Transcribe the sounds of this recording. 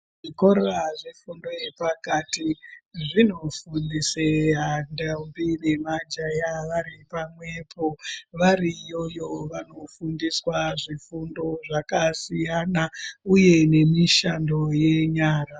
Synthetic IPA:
ʐiko̞ɾoaʐifundo̞jepakatiʐino̞fundiseɦandambine̞mad͡ʒajaʋaɾipamwe̞pʰo̞ʋarijojo̞ʋano̞fundiswaʐifundo̞ʐakasijanauje̞ne̞miʃando̞je̞ɲaːra

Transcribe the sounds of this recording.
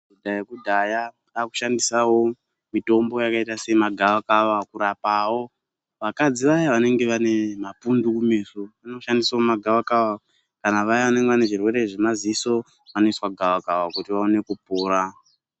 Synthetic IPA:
kudʱajakudʱaja | aku̥ʃandisawo̞ | mito̞mbo̞jakaitase̞maɡʱaʋakaʋakuɾapawo̞ | ʋakad͡ziʋajaʋane̞ŋɡe̞ʋane̞mapundukumeːsuʋaneʃandisaomaɡʱawakawa | kanaʋajaʋane̞ŋɡeʋane̞ʐirwe̞ɾe̞ʐemaziso̞ | ʋano̞iswaɡʱawakawakutiʋaone̞kupuːɾa

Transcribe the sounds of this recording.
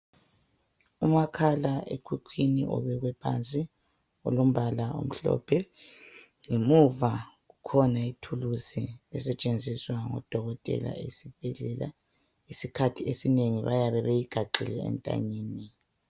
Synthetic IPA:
umakʰalaʔḛkʰwikʰwinḭʔɔ̰βɛɣwɛpʰant͡sʼi | ɔ̰lom̩βalaṵm̩ɬɔ̰pʰɛ | ŋemuvaɣukʰɔnaitʰulusiɛsɛt͡ʃʼend͡zʱiswaŋɔ̰d̥ʱɔɣɔtʼɛ̰la̰esib̥ʱɛɮɛla̰ | isikʰatʰiesineŋiβajaβɛβejiɡ̥ʱaǃḭlɛɛ̰ntʼa̰ɲiːni

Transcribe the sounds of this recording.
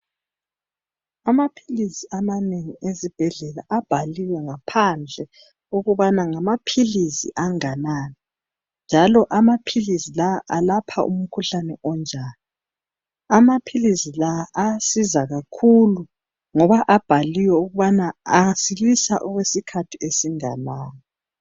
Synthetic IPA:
amapʰilisiamaneŋiezib̥ʱɛɮɛlaʔab̥ʱaliwɛŋapʰand͡ɮʱɛ | uɣuβanaŋamapʰilisḭʔaŋanaːni | nd͡ʒʱalɔʔamapʰilisilaʔalapʰa̰ʔṵm̩kʰuɬanɛʔɔnd͡ʒʱaːni | amapʰilizilaʔasizaɣakʰulu | ŋɔβaʔab̥ʱaliwɛuɣuβanaːsilisaʔɔɣwesikʰatʰiesiŋanaːŋa

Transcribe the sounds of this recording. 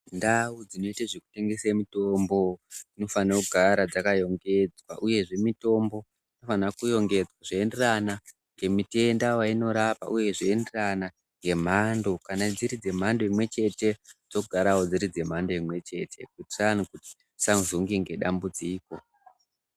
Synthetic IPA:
ndawud͡zino̞itaʐeku̥te̞ŋɡe̞semito̞mbod͡zino̞fanakuɡʱaɾad͡zakajo̞ŋɡe̞d͡zwa̰ʔuje̞ʐe̞mito̞mbo̞ | ino̞fanakujo̞ŋɡe̞d͡zwaʐeenderana | ŋɡe̞mite̞ndawaino̞ɾapa̰ʔuje̞ʐeenderana | ŋɡe̞m̤ando̞kanad͡ziɾid͡ze̞m̤ando̞imwe̞t͡ʃe̞te̞d͡zo̞ɡʱaɾawod͡ziɾid͡ze̞m̤ando̞imwe̞t͡ʃe̞tʰe̞̰kutranikuti̥ | saŋuzoŋɡeŋɡe̞ɗa̰mbud͡ziːko̞

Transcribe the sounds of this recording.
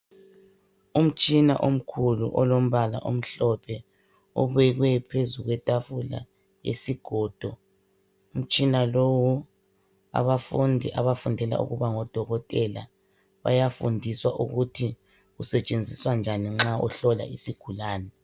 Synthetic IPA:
um̩t͡ʃʼina̰ʔom̩kʰulṵʔɔlom̩βala̰ʔom̩ɬɔpʰɛ | ɔβɛɣwɛpʰezuɣwɛtʼafula̰ | jḛsiɡ̥ʱɔːd̥ʱɔ | um̩t͡ʃʼinalowu | a̰βafundʱiʔa̰βafundʱɛla̰ʔṵɣuβaŋɔd̥ʱɔɣɔtʼɛla̰ | βa̰jafundʱiswaʔuɣutʰi | ɣusɛt͡ʃʼend͡zʱiswand͡ʒʱaniŋ͡ǁaɔ̰ɬɔla̰ʔisiɡ̥ʱulaːnɛ

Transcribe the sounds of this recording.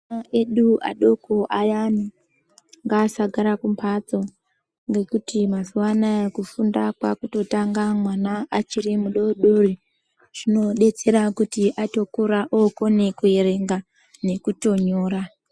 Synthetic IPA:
aeɗua̰ɗo̞koʔajami | ŋɡaːsaɡʱaɾakumpʰat͡so̞ | ŋɡe̞kutimazuwanajekufundakwakuto̞taŋɡamwanaʔːt͡ʃiɾimuɗo̞ɗori | ʐ̥ino̞ɗe̞t͡se̞ɾakutiʔato̞kuɾaʔoko̞ne̞kueɾe̞ŋɡa | ne̞kuto̞ɲo̞ːɾa

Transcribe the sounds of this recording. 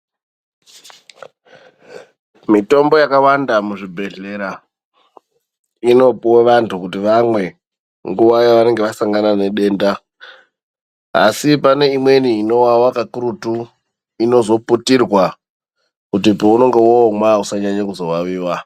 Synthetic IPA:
mito̞mbo̞jakawandamuʐibʱe̞ɮe̞ɾa | ino̞pweʋantʰukutiʋamwe̞ | ŋɡuʋajaʋane̞ŋɡeʋasaŋɡanane̞ɗe̞ːnda | a̰sipane̞imwe̞niino̞wawakakuɾutu | ino̞zo̞putirwa | kutipouno̞ŋɡe̞womwausaɲaɲakuzo̞waʋiːwa

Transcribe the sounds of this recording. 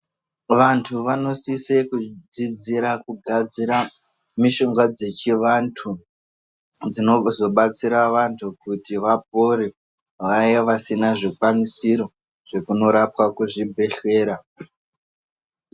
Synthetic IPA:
ʋantʰuʋano̞sisekud͡zid͡ziɾakuɡʱad͡ziɾamiʃo̞ŋɡad͡ze̞t͡ʃiʋantʰu | d͡zino̞zo̞ɓat͡siɾaʋantʰukutiʋap̚o̞ɾi | ʋajeʋasinaʐikwamisiɾo̞ | ʐ̥e̞kuno̞ɾap̚wakuʐibʱe̞ɬe̞ːɾa

